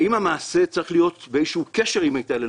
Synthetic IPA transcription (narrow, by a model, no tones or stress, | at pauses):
imhamaːse̞t͡saʁiχlijo̞t̪beezʃeukeʃeʁimajt̪ale